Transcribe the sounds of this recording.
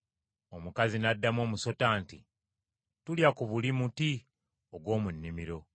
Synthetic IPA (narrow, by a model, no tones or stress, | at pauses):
o̞mukazinadːamo̞ːmuso̞taːnti | tuljakuβulimuti | o̞ɡwo̞ːmunːimiɾo̞